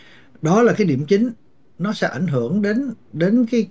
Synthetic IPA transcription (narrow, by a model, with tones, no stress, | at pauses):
ɗɔ˨˦laː˨˩kaː˨˦jɗi˧˩əmt͡ɕï˨˦ŋ̟ | nɔ˨˦sɛ̰˧˥ʔa˧˩jŋɦɨ˧˩əŋɗe˨˦nɗe˨˦nkaː˨˦j